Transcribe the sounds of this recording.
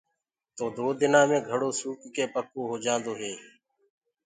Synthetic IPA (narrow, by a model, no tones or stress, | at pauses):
t̪oːd̪oːd̪ɪnaːmẽːɡʱəɽoːsuːkkeːpəkoːɦoːd͡ʒãːnd̪oːɦeː